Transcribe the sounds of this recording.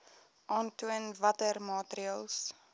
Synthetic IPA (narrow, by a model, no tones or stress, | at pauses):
ʔɑːntuənvɐtərmɑːtɾiɑːlˠs